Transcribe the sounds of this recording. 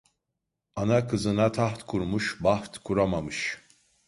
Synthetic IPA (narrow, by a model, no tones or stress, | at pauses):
anakʰɯzɯnat̪ʰaht̪kʰuɾmuʃbaht̪kʰuɾamamɯʃ